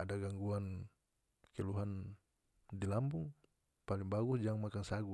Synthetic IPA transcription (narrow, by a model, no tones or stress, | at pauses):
adaɡaŋɡuan | kɛluɦan | dilambuŋ | paliŋbaɡusd͡ʒaŋmakaŋsaɡu